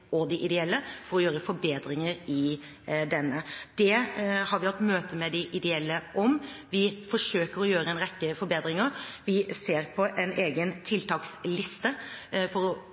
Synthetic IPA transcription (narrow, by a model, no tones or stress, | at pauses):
ɔd̪ɪʔɪd̪ɛɛlːəfɔɾɔjøːɾəfɔɾbeːd̪ɾɪŋəɾɪ | d̪ɛnːəd̪̥ɛhɑɾʋɪhɑt̪ːmøːt̪əmɛd̪ɪʔɪd̪ɛɛlːəʔɔm | ʋɪfɔʂøːkəɾɔjøːɾəɛnɾɛkːəfɔɾbeːd̪ɾɪŋəɾʋɪseːɾpʰɔʔɛnʔeːɡənt̪ʰɪlt̪ʰɑːkslɪst̪əfɔɾɔ